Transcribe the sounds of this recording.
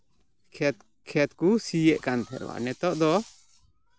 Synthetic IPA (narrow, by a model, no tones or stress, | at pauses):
kʰɛt̪̚kusijɛʔkant̪ʰɛ̰ɾ̰wa̰ʔnɛt̪ɔʔd̪ɔ